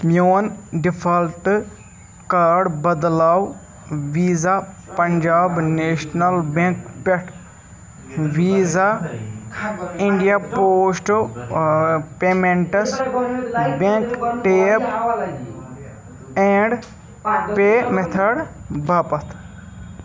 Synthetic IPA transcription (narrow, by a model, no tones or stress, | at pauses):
mjoːnɖipʰɐlʈ | kaːɖbɐd̪laːw | ʋiːza | pɐɲd͡ʒaːbneːʃnɐlbẽkpeʈʰ | ʋiːza | ɪɳɖijapoːsʈ | pemeɳʈɐs | bẽŋkʈeːp | ẽːɳɖ | peːmet̪ʰɐɽbaːpɐt̪ʰ